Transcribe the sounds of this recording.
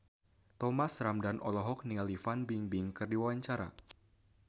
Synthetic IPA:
t̪ɔmasramdanʔɔlɔɦɔk̚nialifanbiŋbiŋkɨrdiwawaɲt͡ʃaɾa̰

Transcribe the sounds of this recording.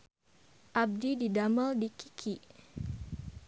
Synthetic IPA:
ʔab̚dididaməldikikʰi

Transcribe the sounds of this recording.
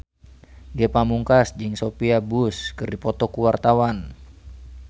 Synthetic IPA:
ɡepamuŋkasd͡ʒɨŋsopiabuskɨrdipɔt̪ɔkuwart̪awan

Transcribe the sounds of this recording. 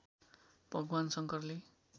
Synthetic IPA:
b̥ʱʌɡwansʌŋkʌrle

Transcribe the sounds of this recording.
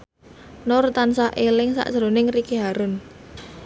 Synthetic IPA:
nʊrt̪ansaʔelɪŋsa̰ʔdʒ̥ɾo̤nɪŋrikiɦaɾʊn

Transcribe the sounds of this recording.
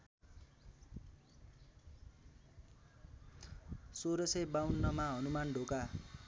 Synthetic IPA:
soɾʌsʌjbawnːʌmaɦʌnumanɖʱoka

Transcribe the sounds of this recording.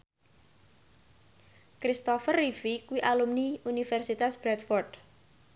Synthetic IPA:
kɾist̪ɔfərːifikuwiʔalumniunifɛrsit̪asb̥ɾɛt̪fɔrd̪

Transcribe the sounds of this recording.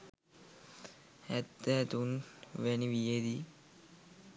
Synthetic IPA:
hɛd̪ːɛt̪unʋeniʋijed̪i

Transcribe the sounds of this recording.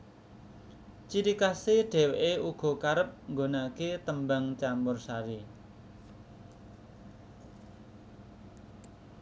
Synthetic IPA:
t͡ʃiɾikaseɖ̥ɛ̤weʔeuɡ̥ɔ̤kaɾəp̚ŋɡonaket̪əmbaŋt͡ʃamʊrsaɾi

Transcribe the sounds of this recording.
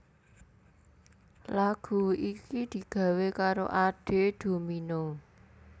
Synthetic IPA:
laɡ̥ṳikid̪̥i̤ɡ̥ä̤wekaɾo̰ʔaɖ̥e̤d̪̥o̤mino

